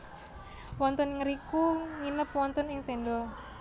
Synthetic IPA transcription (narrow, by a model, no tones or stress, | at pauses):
wɔnt̪ənŋəɾikuŋinəpwɔnt̪ənɪŋt̪endɔ